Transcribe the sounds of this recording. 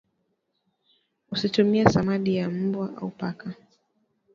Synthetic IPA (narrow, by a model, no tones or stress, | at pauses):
usitumiasamaɗijam̩bwaʔa̰upaka